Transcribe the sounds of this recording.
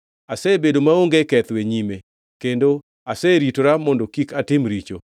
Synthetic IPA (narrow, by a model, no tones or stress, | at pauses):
asɛbedomaoŋɡekɛt̪weɲime | kendo | asɛɾitoɾamɔndɔkikatɪmɾit͡ʃo